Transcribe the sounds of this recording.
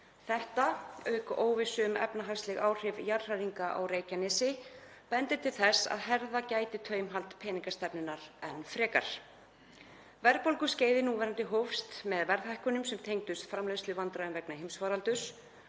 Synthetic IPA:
θɛht̪aœɥkoːwvɪsʏʏmɛ̰pnaɦarslɛɣaːwr̥ɪvjar̥r̥aɾiŋkaʔa̰wreːjcanɪsɪ | pɛnt̪ɪt̪ʰɪlθɛsa̰ðɦɛɾðacaːjt̪ɪt̪ʰœːɥmɦalt̪pʰɛːniŋkast̪ɛpnɪnaɾɛnfɾɛːka̰ɾ̥ | vɛɾðpowlkʏsceːjðɪnuːvɛɾant̪ɪɦowfst̪mɛðvɛɾðhajhkʏnʏmsɛmt̪ʰeːjŋt̪ʏst̪fɾamlœɥslɪvant̪ɾaʏmvɛknaɦɪmsvaːɾalt̪ʏs

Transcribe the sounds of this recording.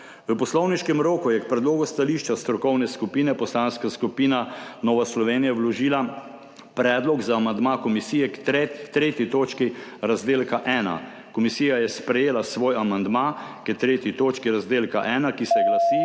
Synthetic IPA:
ʋəpɔslɔwniʃkɛmɾoːkujɛkpɾɛd̪loːɡust̪aliʃt͡ʃast̪ɾɔkɔwnɛskupiːnɛpɔslanskaskupiːnanɔːʋaslɔʋeːnijawlɔʒiːla | pɾɛːd̪lɔɡzaːmand̪makɔmisiːjɛkt̪ɾɛt̪ɾeːt̪jit̪oːt͡ʃkiɾazd̪eːlkaʔɛːna̰ | kɔmisiːjajɛspɾɛjeːlasʋoːjamand̪makɛt̪ɾeːt̪it̪oːt͡ʃkiɾazd̪eːlkaʔɛːnakisɛɛɡlasi

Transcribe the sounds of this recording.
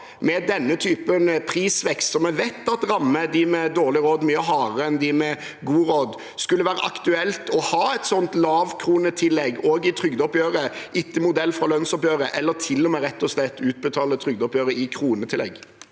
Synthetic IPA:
mɛd̪ɛnːət̪ʰyːpənpʰɾiːsʋɛkst̪sɔmɛʋɛt̪ːɑt̪ɾɑmːəd̪ɪmɛd̪oːʁlɪɾoːd̪myːəɦɑːɾəɛnd̪ɪmɛ | ɡuːɾoːd̪ | skʉlːəʋæːɾə̰ʔɑkt̪ʉɛlt̪ɔhɑːɛt̪sɔnt̪lɑːʋkʰɾuːnət̪ʰɪlːɛɡːoːɡɪt̪ʰɾʏɡd̪ɔpjøːɾəʔɪt̪ːəmʊd̪ɛlːfɾɑlœnsɔpjøːɾəʔɛlːət̪ʰɪlːɔmɛeːɾɛt̪ːɔslɛt̪ːʉːt̪̚bət̪ʰɑːlət̪ʰɾʏɡd̪ɔpjøːɾəɪkʰɾuːnət̪ʰɪlːɛ̰ɡː

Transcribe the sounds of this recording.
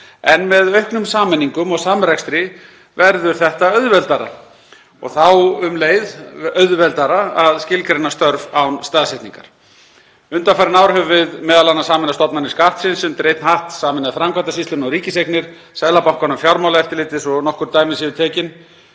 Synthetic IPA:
ɛnmɛðœhknʏmsaːmɛnːiŋkʏmɔɣsaːmɾɛkst̪ɾɪ | vɛɾðʏɾ̥θɛht̪aœðvɛlt̪aɾa̰ | ɔ̰ɣθawʏmleːjðœðvɛlt̪aɾaaðscɪlkʰɾenast̪œɾvawnst̪aːðsɛht̪niŋka̰ɾ̥ | ʏnt̪afajɾɪnaːwɾɦʏvvɪðmɛːðalanːasaːmɛnast̪ɔpnanɪskaht̪sɪnsʏmt̪ɾejt̪nhaht̪saːmɛnaðɪfɾamkvat̪asist̪ʏnɔɣɾiːcɪsejknɪɾ̥ | sɛðlapawhkanʏmfjawɾmawlaɛft̪ɪlɪːt̪ɪsɔnɔhkʏɾt̪aːjmɪsiːvɪɾt̪ʰɛːcɪn

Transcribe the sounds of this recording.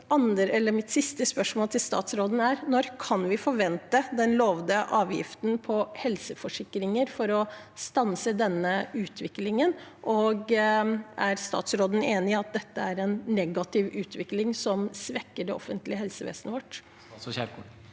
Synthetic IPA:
ɑnəɾɛlːəɾmɪt̪sɪst̪əspœʂmoːlt̪ʰɪlst̪ɑ̰ːt̪sɾoːd̪n̩æɾnɔɾkʰɑnʋɪfɔɾʋɛnt̪əd̪ɛnloːʋd̪əʔɑːʋjɪ̰ft̪npʰɔhɛlsəfɔʂɪkːɾɪŋəɾfɔɾɔ | st̪ɑnsəd̪ɛnːəʉːt̪ʰʋɪklɪŋənʔɔɡ | æɾst̪ɑ̰ːt̪sɾoːd̪n̩eːnɪɑt̪̚d̪ɛt̪ːəæɾɛnːɛɡɑt̪ʰɪʋʉːt̪ʰʋɪklɪŋsɔmsʋɛkːəɖɛɔfənt̪lɪəɦɛlsəʋḛːsənəʋɔʈː

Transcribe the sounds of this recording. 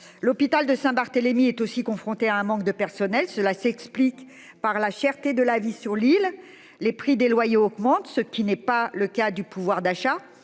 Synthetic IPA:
lɔpit̪ald̪əsɛ̃baʁt̪əlemiɛt̪osikɔ̃fχɔ̃t̪eaɛ̃mɑ̃k̚d̪əpɛʁsɔnɛlsəlasɛksplik | paʁlaʃɛʁt̪ed̪əlavisyʁlil | lepχid̪elwajeɔɡmɑ̃t̪səkʲinɛpaləkad̪ypuvwaʁd̪aʃa

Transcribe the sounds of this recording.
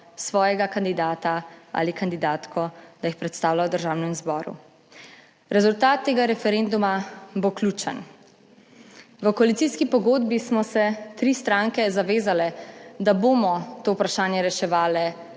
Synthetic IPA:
sʋɔːjɛɡakand̪id̪aːt̪aa̰ːlikand̪id̪aːt̪kʰɔd̪̥ajixpɾɛt̪st̪aːwlawd̪əɾʒaːwnɛmzbɔːɾṵ | ɾɛzult̪aːt̪ːeːɡaɾɛfɛɾend̪umabokluːt͡ʃə̰n | ʋəkɔalit̪siːskipɔɡoːd̪bismɔsɛt̪ɾiːst̪ɾaːŋkɛzaʋeːzalɛd̪aboːmɔt̪oːpɾaʃaːnjɛɾɛʃɛʋaːlɛ

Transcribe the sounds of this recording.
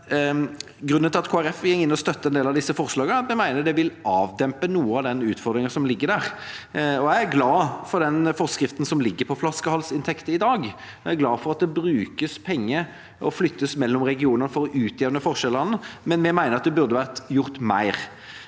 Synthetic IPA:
ɡɾʉnːənʰɪlɑt̪kʰoːæɾɛfjɛŋːɪnːɔst̪œt̪ːəɛnd̪eːlɑd̪ɪsːəfɔʁslɑːɡənəmɛmæɪnəd̪ɛʋɪlɑːʋd̪ɛmpənuːəɑd̪ɛnʉːt̪fɔɾd̪ɾɪŋəsɔmlɪɡːəɾd̪æːʁ | ɔæɪæɾɡlɑːfɔɾd̪ɛnfɔʁskɾɪft̪n̩sɔmlɪɡːəpʰɔflɑskəhɑlsɪnt̪ʰɛkt̪əɪd̪ɑːɡ | æɡlɑːfɔɾɑt̪̚d̪ɛbɾʉːkəspʰɛŋːə | ɔflʏt̪ːəsmɛlːɔmʁɛɡɪuːnənəfɔɾɔʔʉːt̪jeːʋənəfɔʁʂɛʁlɑnːəmɛnmɛmæɪnəɾɑt̪d̪ɛbʉɾd̪əʋæʁt̪jʊʁt̪mæ̰ɪɾ

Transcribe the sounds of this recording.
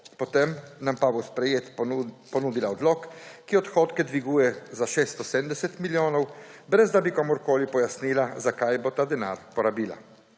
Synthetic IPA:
pɔt̪emnampabospɾɛjeːt̪pɔnuːd̪ilaɔd̪lɔkːiɔt̪xoːt̪kɛd̪ʋiɡuːjɛzaʃeːst̪ɔsɛmd̪ɛsɛt̪miljoːnɔwbɾɛzd̪abikamoɾkoːlipɔjasniːlazakajbot̪aːd̪ɛna̰ːɾpɔɾabiːla̰

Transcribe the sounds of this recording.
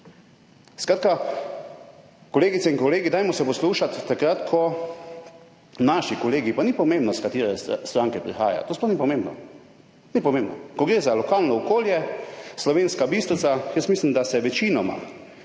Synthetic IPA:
skɾaːt̪ka | kɔleːɡit̪sɛinkɔleːɡid̪aːjmɔsɛpɔsluːʃat̪ːakɾat̪kʰɔ | naʃikɔleːɡipanipɔmẽːmbnɔskat̪iːɾɛst̪ɾaŋkɛpɾḭxaːja̰t̪oːsplɔxwnipɔmembnɔ̰ | nipɔmẽmbnɔkɔɡɾeːzalɔkaːlnɔɔkoːljɛslɔʋeːnskabiːst̪sajəsmiːslimd̪asɛʋɛt͡ʃinɔma̰

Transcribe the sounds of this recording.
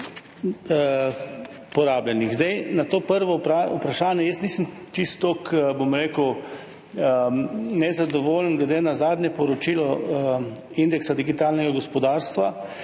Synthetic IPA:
pɔɾaːblɛniɣzd̪ɛjnat̪oːpəɾʋɔpɾaupɾaʃaːnjɛjəsniːsəm | t͡ʃist̪ːokbomɾeːkəw | nɛzad̪ɔʋoːlənɡlɛd̪eːnazaːd̪nʲjɛpɔɾɔt͡ʃiːlɔ | ind̪ɛksad̪iɡit̪aːlnɛɡaɡɔspɔd̪aːɾst̪ʋa

